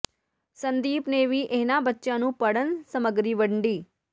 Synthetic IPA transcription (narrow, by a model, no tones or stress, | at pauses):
sənd̪iːpneʋiːʔeːnabətːʃãːnũːpəɽənsəməɡɾiːʋəɳɖiː